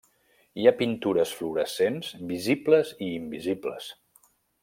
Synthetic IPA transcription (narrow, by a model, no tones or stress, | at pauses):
iapint̪uɾəsfluɾəsenzbizibləziːmbiziblə̰s